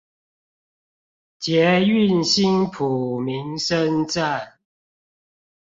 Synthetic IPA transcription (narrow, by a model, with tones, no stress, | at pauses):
t͡ɕjɛ˨˦y˥˨nɕi˦npʰu˨˩mi˨˦ŋʂə˦nt͡sa˥˨n